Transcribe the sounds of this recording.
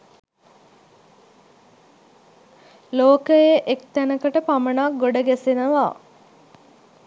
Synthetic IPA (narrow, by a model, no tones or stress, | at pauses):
loːkəjeʔekt̪ænəkəʈəpamənaɡoɖəɡæsenəʋa